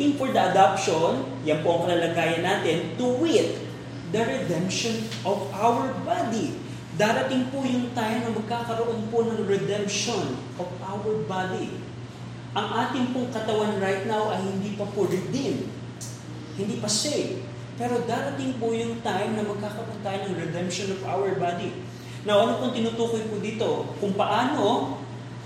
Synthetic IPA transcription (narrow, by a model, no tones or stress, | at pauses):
ɪŋfoɹd̪ɐʔɐd̪apʃon | jɐnpoʔɐŋkɐlɐlɐɡaːjɐnːaːt̪ɪnt̪ʊwɪt̪̚ | d̪ɐɾɛd̪ɛmpʃonʔɔvʔawɛɹbad̪i | d̪aːɾɐt̪ɪŋpʊjʊŋt̪ajmnɐmɐɡ̚kaːkɐɾoʔo̞nponɐŋɹɛd̪ɛmpʃonʔovʔawɛɹbad̪i | ʔɐŋʔaːt̪ɪŋpʊŋkɐt̪ɐwanɹajt̪̚nawʔɐjhɪnd̪iːpɐpʊɾɪd̪ɪm | hɪnd̪iːpɐsɛjv | pɛːɾo̞d̪aːɾɐt̪ɪŋpʊjʊŋt̪ajmnɐmɐɡ̚kaːkɐɾoʔont̪aːjɪnɐŋɹɛd̪ɛmpʃonovawɛɹbad̪i | nɐwʔɐnopʊŋt̪ɪnuːt̪uːkojpʊd̪iːt̪o̞kʊŋpɐʔaːno̞